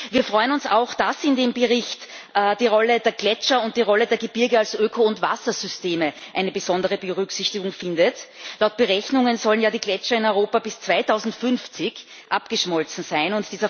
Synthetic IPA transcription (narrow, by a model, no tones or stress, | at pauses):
viːɐfʁɔʏənʊnsaʊxd̥asɪndeːmbəʁɪçtʔd̥iːʁɔlədeːɐɡ̥lɛt͡ʃɐʊnt̚d̥iːʁɔlədeːɐɡəb̥ɪɐɡəalsʔøːkʰoʊntva̰sɐz̥ʏsteːməʔæɪnəbəzɔndəʁəbəʁʏksɪçtɪɡʊŋfɪndətlaʊt̚b̥əʁɛçnʊŋənzɔlənjaːdiːɡlɛt͡ʃɐɪnɔʏʁoːpabɪst͡sv̥aɪtʰaʊzn̩tfʏnft͡sɪç | ʔapɡ̥əʃmɔlt͡sn̩zæɪnʊntd̥iːzɐ